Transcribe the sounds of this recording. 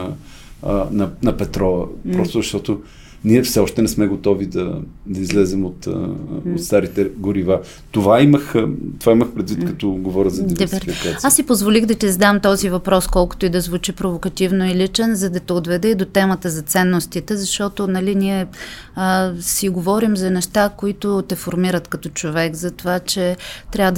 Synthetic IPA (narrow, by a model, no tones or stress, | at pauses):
nɐnɐpɛt̪ɾɔɐpɾɔst̪ʊzɐʃt̪ɔt̪o | niɛfsɛɔʃt̪ɛnɛsmɛɡot̪ɔvid̪ɐd̪ɐizlɛzɛmot̪ot̪st̪aɾit̪ɛɡʊɾiva | t̪ovaiməxt̪ovaiməxpɾɛd̪vit̪kɐt̪ɔɡovɔɾʲəzɐd̪id̪bɾfikaasːipozvolixd̪ɐt̪izɐd̪amt̪ɔzivɐpɾɔskɔlˠkʊ̥t̪oid̪ɐzvut͡ʃipɾovokɐt̪ivnoilit͡ʃɛnzɐd̪ɐt̪ɛod̪vɛd̪ɛd̪ot̪ɛmət̪əzɐt̪sɛnːost̪it̪ɛzɐʃt̪ɔt̪onɐliniɛ | siɡovɔɾimzɐnɛʃt̪akoit̪ʊt̪ɛfoɾmiɾət̪kɐt̪ɔt͡ʃovɛɡzɐt̪ovat͡ʃɛt̪ɾʲavəd̪